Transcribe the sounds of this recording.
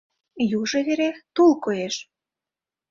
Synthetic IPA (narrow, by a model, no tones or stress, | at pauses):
juʒĕβeɾet̪ulkojeʃ